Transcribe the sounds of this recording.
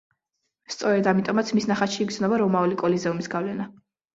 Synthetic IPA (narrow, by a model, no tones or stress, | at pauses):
st̪sʼɔɾɛd̪amit̪ʼɔmat̪sʰmisnaχat̪ʃiːɡd̪znɔbaɾɔmaulikʼɔlizɛumisɡavlɛna